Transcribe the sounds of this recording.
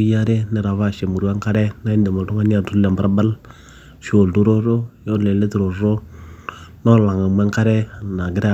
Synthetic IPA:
ja˦ɾe˦nɪ˨ɾa˨βa˦˨ʃe˨mu˨ɾu˦a˦ŋka˦ɾɛ˦na˦i˦n˦de˨ma˨tu˦ŋa˦n˦a˨tu˦lɛ˨mbɾa˦ba˦l | ʃo˨ldu˦ɾo˦ɾo˦jo˦le˨le˦tu˨ɾo˨ɾo˦ | no˦la˨ŋa˨mɛ˦ŋka˦ɾɛ˦na˨ɡɪ˦ɾa˦˨

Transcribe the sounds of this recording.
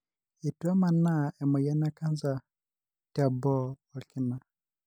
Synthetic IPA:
i˨ta˦ma˨na˦ɛ˨mɔ˨ja˦na˦ka˦nza˨ | ta˨bɔ˦wa˨ki˦na˨

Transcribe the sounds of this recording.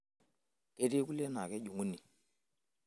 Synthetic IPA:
ke˦ti˦ku˦le˦na˨kɛ˦ɟu˨ŋu˦ni˨

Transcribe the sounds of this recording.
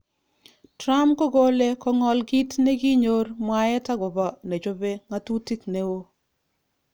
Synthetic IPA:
tɾa˦mkɔ˦ɡo˦le˦kɔ˦ŋɔ˦lɡi˦tne˦ɡi˦ɲo˦rmwa˦jɛ˦ta˦ɡɔ˨bɔ˦˨ne˨d͡ʒo˦be˦ŋa˦tu˦ti˦kne˦wo˦

